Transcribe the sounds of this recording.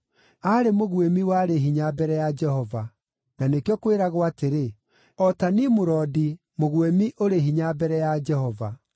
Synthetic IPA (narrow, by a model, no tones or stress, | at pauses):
aɾemoɣwemiwaɾeɦiɲabɛɾɛjad͡ʒɛhɔva | nanekejɔkoweɾaɣwateɾe | ɔtanimoɾɔdi | moɣwemiʔoɾeɦiɲabɛɾɛjad͡ʒɛhɔva